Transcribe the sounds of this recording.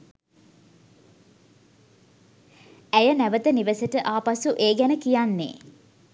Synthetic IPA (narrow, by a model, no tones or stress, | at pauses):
æjənæʋət̪əniʋəsəʈəʔaːpasuʔeːɡænəkijanːḛː